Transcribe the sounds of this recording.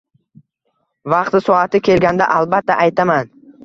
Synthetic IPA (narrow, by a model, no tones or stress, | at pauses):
vɑqt̪ɪsɒat̪ʰɪkʲʰe̞lɡʲand̪a̰ʔalˠbat̪ʰːaʔajt̪ʰaman